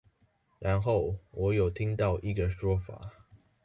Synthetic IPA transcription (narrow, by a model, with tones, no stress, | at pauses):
ɻa˧˦nxo˥˨ʊwɔ˨˥jo˨˩ʊt̪ʰi˦ŋt̪ɑ˥˨ʊʔi˧˥ɡə˨ʂwɔ˥fa̰˨˩˦